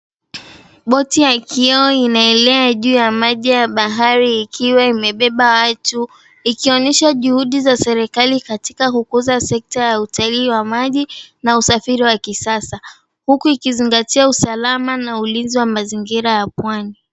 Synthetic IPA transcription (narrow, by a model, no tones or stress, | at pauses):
ɓɔtijakʰiɔinaɛlɛaʄuːjamaʄijaɓaɦaɾiːkʰiwaimɛɓɛɓawatu | ikiɔnɛʃaʄuhuɗizasɛɾɛkalikati̥kakukuzasɛk̚tajautaliːwamaʄinausafiɾiwakisasa | hukuikiziŋɡatiausalamanaulinziwamaziŋɡiɾajapwani